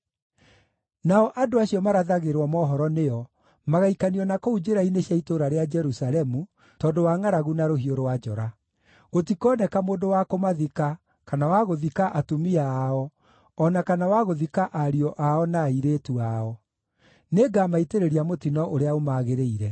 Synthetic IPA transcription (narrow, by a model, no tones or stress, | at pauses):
naɔʔadoaɕiɔmaɾaðaɣeɾwɔmɔːɦɔɾɔneɔ | maɣaikaniɔnakoud͡ʒeɾaineɕijaitoɾaɾead͡ʒɛɾusalɛmu | tɔːndowaːŋaɾaɣunaɾoɦioɾowad͡ʒɔ̰ɾa | ɣotikɔːnɛkamoːndowakomaðika | kanawaɣoðikaʔatumiaːɔ | ɔnakanawaɣoðikaʔaɾiɔʔaɔnaiɾetuaɔ | neɡamaiteɾeɾiamotinɔʔoɾeaomaːɣeɾeiɾɛ